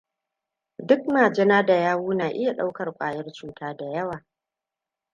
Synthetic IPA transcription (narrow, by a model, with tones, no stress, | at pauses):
dʊ˦k̚maː˨d͡ʒɛ˦naː˦da˨jaː˦wuː˦naː˨ʔɪ˦ja˨ɗa˦wkɐ˨rkʷʼa̰ː˨jɐ˦rt͡ʃuː˦tʰaː˦da˨jɐ˦waː˨